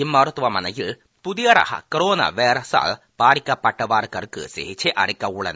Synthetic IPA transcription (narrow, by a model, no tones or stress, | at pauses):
imːɐɾɐt̪ːʋɐmɐnɐjiɭ | puðijɐɾɐ̰hɐ̰kɐɾoːnɐ̰ʋeːɾɐsa̰ːɭ | paːɾikʲːɐpːɐʈːɐʋaːrkɐrkɨ̰sḛɦit͡ɕːeʔɐɽikʲːɐuɭɐ̰n